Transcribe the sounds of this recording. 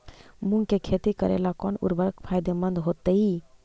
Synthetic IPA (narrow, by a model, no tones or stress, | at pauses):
muŋkekʰet̪ikəɾḛlakɔnṵɾbəɾəkpʰajd̪emənd̪ɦot̪əi